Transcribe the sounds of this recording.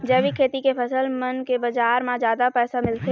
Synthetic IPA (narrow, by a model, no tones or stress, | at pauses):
d͡ʒɛːbʱikʰeːt̪ikepʰɐsəlmənkebɐd͡ʒaːɾmãd͡ʒjaːd̪apɛːsamɪlt̪e